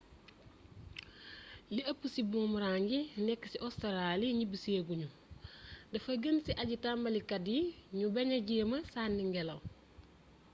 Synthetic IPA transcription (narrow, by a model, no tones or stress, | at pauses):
jiʔɐpːusibuːmuɾaːŋɡinɛkːi̥siʔɔstɐɾaːliɲibiseːɡuɲu | dɐfɐɡənsiʔɐɟitambɐlikɐdiɲubɐɲɐɟimɐsaːnːiŋɡɛlɐw